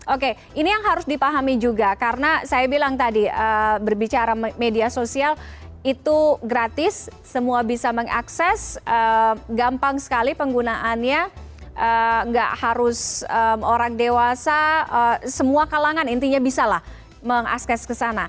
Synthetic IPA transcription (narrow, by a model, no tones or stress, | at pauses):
ʔoke | inijaŋɦaɾʊsdipaɦamid͡ʒuɡakaɾənasajabilaŋt̪adiəbərbit͡ʃaɾamediasosialit̪uɡɾat̪ɪsː | əmuabisaməŋa̰ksɛsʔəmɡampaŋsə̥kalipəŋɡunaʔanɲa | ʔəŋɡa̰ʔhaɾʊsəmoɾaŋdewasaəsəmuakalaŋanint̪iɲabisalah | məŋa̰sɛskəsana